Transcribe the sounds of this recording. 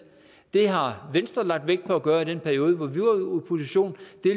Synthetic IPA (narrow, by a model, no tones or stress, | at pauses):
d̥e̝ɦɑ̈ʋensd̥ʁɐlɑ̈ɡ̥̚d̥ʋeɡ̥d̥̚pʰɒ̽æɡ̥ɶːɐiɾ̥enpʰæɐio̝ːð̞ˠəʋɒʋiupʰo̝siɕo̝̰ːnd̥e̝